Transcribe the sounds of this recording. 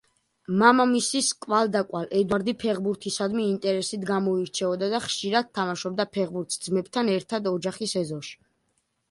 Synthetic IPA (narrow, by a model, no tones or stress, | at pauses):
mamamisiskʼwald̪akʼwalɛd̪waɾd̪ipʰɛʁbuɾt̪ʰisad̪miːnt̪ʼɛɾɛsit̪ʰɡamɔiɾt͡ʃʰɛɔd̪ad̪aχʃiɾad̪̚t̪ʰːamaʃɔb̚d̪apʰɛʁbuɾt̪ʰsd̪zmɛb̚t̪ʰanɛɾt̪ʰad̪ɔd͡ʒaχisɛzɔʃi̥